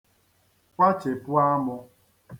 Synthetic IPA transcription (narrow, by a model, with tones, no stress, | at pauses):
kʷa˦t͡ʃe˨pʊ˦a˦mʊ˧